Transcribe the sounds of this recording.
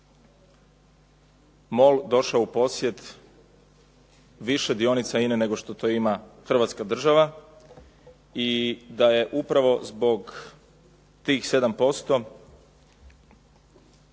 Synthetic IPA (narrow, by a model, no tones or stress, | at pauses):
mo̞ld̪o̞ʃaoupo̞sje̞t̪ | ʋiʃe̞d̪io̞nit̪sainene̞ɡo̞ʃt̪o̞t̪o̞imaxr̩ʋat̪skad̪r̩ʒaʋa | id̪aje̞ʔupɾaʋo̞zbo̞ɡ | t̪iːxse̞d̪ampo̞st̪o̞